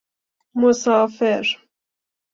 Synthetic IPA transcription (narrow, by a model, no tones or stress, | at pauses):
mʊsɑːfɪɾ